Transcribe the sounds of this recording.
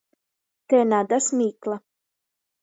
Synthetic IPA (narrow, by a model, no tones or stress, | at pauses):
t̪ɛnad̪asmʲiːklˠa